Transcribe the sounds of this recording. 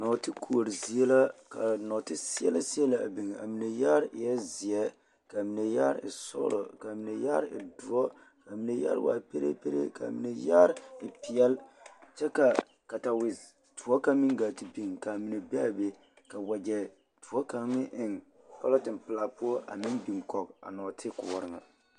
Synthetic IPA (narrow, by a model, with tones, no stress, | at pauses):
nɔ˨tɪ˦kʰu˦o˨ɾɪ˨zi˨˦ɛ˦la˦ka˨nɔ˨tɪ˦si˦ɛ̰˦la˦si˦ɛ˦la˨a˨bi˨ŋ˨a̰˨mi˨ne˨jaː˦ɾjɛ˦zɪ˨ɛ˦ | ka˨mi˨ne˨jaː˦ɾɪ̰˨sɔ̰˦ɾɔ̰˨ka˨mi˨ne˨ja˦ɾɪ̰˨du˨ɔ˦ | ka˨mi˨ne˨ja̰˦ɾ̰wa̰ː˨pe˦ɾḛ˦pe˦ɾḛ˦ka̰˨mḭ˨ne˨ja̰˦ɾɪ˨pɪ˨ɛ˦lt͡ʃɛ˦ka˨ | ka˨ta˨wɪ˨z | tu˨ɔ˦ka˦mi˦ɡa˨ti˨bi˦ŋka˨mi˨ne˨bɛ˦a˨be˦ | ka˨wa˨d͡ʒɛ˨ | tʰu˨ɔ˦ka˨ŋ˦mɪ˦ʔɪ˨ŋ | pa̰˦lɔ˦tɪ˨mpɪ˨la˨pʊ˦ɔ˦ʔa̰˨mi˦nbi˨ŋkɔ˨k̚a̰˨nɔː˨tʰɪ˦kʊ˨ɔ˨ɾɪ˨ŋa̰˨